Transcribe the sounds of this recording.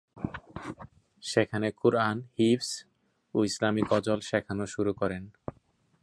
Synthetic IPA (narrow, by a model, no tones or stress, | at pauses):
ʃekʰanekuɾanhifs | oislamikɔd͡ʑolʃɛkʰanoʃuɾukɔɾen